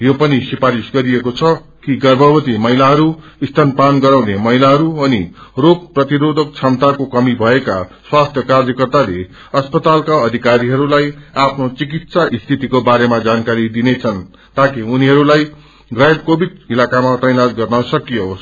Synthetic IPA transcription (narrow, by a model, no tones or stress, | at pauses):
jopʌnisipaɾisɡʌɾijekot͡sʰʌ | kiɡʌrbʱʌbʌt̪imʌɦilaɦʌɾu | ist̪ʰanpanɡʌɾawnemʌɦilaɦʌɾuʌniroɡprʌt̪iɾod̪ʱʌk̚t͡sʰamt̪akokʌmibʱʌeka̰swast̪ʰjʌkarjʌkʌrt̪ale | ʌspʌt̪alkaʌd̪ʱikaɾiɦʌɾulajapʰnot͡sik̬it̪saʔist̪ʰit̪ikobaɾemad͡zankaɾid̪inet͡sʰʌn | t̪akiuniɦʌɾulaj | ɡʌet̪̚kobʱid̪̚ilakamat̪ʌjnat̪ɡʌrnʌsʌkijo